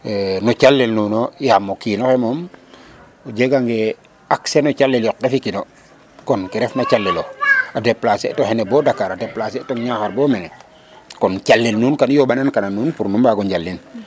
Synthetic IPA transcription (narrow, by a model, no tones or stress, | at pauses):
nɔt͡ʃalːɛlnunojamokinɔxemɔm | od͡ʒeɡaŋɡe | aksenɔt͡ʃalːeljɔqefikino | kɔnkiɾɛfnat͡ʃalːɛloadɛplasetɔhenɛbɔːdakːaɾadɛplasetɔŋɲaxaɾbɔːmɛnɛ | kɔnt͡ʃalːelnuːnkanjobanankananuːnpuɾnumbaɡoɲɟalːin